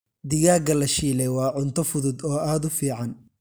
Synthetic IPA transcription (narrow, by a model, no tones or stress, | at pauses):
d̪ɪjaːɡɐlɐʃiːlɛjwɑːʕʊnt̪ʰɔfʊðʊd̪ɔːaːd̪ʊfiːʕɑn